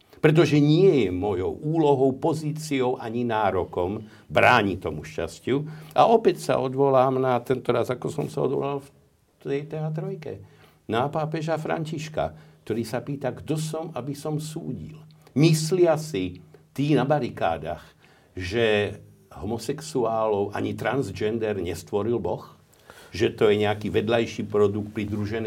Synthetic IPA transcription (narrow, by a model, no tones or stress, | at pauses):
pɾɛt̪̬ɔʒɛɲɪɛjɛmɔjɔ̰ʊʔuːlɔɦɔʊpɔziːt͡siɔʊʔaɲinaːɾɔkɔm | bɾaːɲit̪ɔmuʃca̰scuʔaʔɔpɛcsa̰ɔd̪ʋɔlaːmnat̪ɛnt̪ɔɾazakɔsɔ̰msaɔ̰d̪ʋɔ̰lalf | t̪ɛjt̪ɛɦat̪̬ɾɔjkɛ̰ | napaːpɛʒafɾa̰ɲciʃka̰k̚t̪ɔɾiːsapiːt̪aɡt̪ɔsɔmabisɔmsṵːɟḭlmislɪasit̪iːnabaɾika̰ːd̪a̰x | ʒɛ | ɦɔmɔsɛksuaːlɔʊʔa̰ɲit̪ɾanzd͡ʒɛnd̪ɛɾɲɛst̪ʋɔɾilbɔx | ʒɛt̪ɔjɛɲɛakiːʋɛd̪lajʃiːpɾɔd̪ukt̪̚pɾid̪ɾuʒɛn